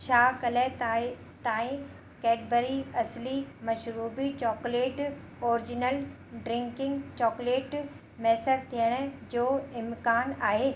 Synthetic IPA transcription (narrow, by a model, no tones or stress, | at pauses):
t͡ɕʰaːkɐlet̪ː | t̪ãːĩ | kɛːɖbəɾiɐslimɐʃɾuːbit͡ɕɔːkleːʈ | ɔːɾɪd͡ʑɪnəl | ɖɾɪ̃ŋkɪ̃ŋɡt͡ɕɔːkleːʈ | mɛːsəɾt̪ʰiəɽ̃ə̆d͡ʑoːɪmkaːnaːɦeː